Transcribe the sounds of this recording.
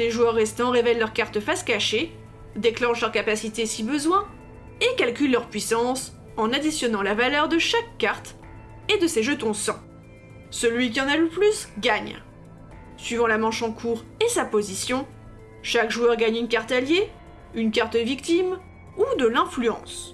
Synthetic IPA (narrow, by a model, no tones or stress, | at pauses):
leʒuœʁːɛst̪ɑ̃ʁevɛlːœʁkaʁt̪əfaskaʃe | d̪eklɑ̃ʃlœʁkapasit̪esibəzwɛ̃ | ekalkʲylːœʁpɥisɑ̃s | ɑ̃nad̪isjɔnɑ̃lavalœʁd̪əʃakːaʁt̪ | ed̪əseʒət̪ɔ̃sɑ̃ | səlɥik̬ʲiɑ̃naləplysɡaɲ | sɥivɑ̃lamɑ̃ʃɑ̃kʰuʁ | esapozisjɔ̃ | ʃakʒuœʁɡaɲynkaʁt̪alje | ynkaʁt̪d̪əvikt̪im | ud̪əlɛ̃flyɑ̰̃s